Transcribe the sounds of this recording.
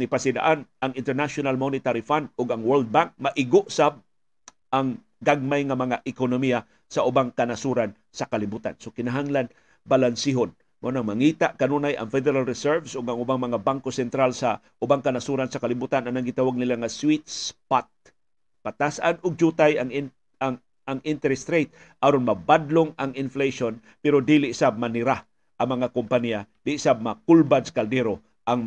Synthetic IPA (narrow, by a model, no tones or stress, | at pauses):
ɪpasɪd̪a̰ʔanʔɐŋɪnt̪ɛɹnaʃonalmonɪt̪aɾifand̪̚ʊɡɐŋwɛld̪̚baŋk̚mɐʔɪɡʊʔsab̚ | ʔaŋ | ɡaɡ̚majŋɐmɐŋaʔɪkonomija | sɐʔʊbaŋkɐnasuɾan | sɐkalɪbuːt̪a̰nsokɪnaɦaŋlan | balansiɦon | monaŋmɐŋiːt̪aʔkɐnunajʔɐ̰ŋfɛd̪ɛɾalɾɛsɛɹvsʔʊɡaŋʊbaŋmɐŋabaŋkosɛnt̪ɾalsa | ʔʊbaŋkanasuɾansɐkalɪbut̪ananaŋɡɪt̪awaɡ̚nɪlaŋaswit̪̚spat̪̚ | pat̪asʔanʊɡ̚d͡ʒut̪ajaŋ | aŋʔɪnt̪ɛɾɛst̪ɾejt̪̚ | ʔaɾonmɐbad̪loŋaŋɪnflejʃon | pɛɾod̪ilɪʔɪsab̚manɪɾa | ʔɐŋmɐŋakʊmpanialɪʔɪsab̚makʊlbad̪skald̪ɛɾo | ʔaŋ